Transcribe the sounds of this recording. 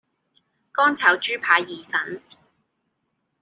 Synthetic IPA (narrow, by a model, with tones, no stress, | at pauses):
kɔː˥nt͡sʰɐ˨˥wt͡ʃyː˥pʰaː˨˧jːiː˨˩fɐ˨˥n